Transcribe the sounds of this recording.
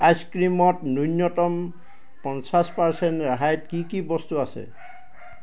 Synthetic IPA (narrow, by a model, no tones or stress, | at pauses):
ajskɹimɔtnunːɔtɔm | pɔnsaspaɹsɛntɹaɦajtkikibɔstuasɛ̰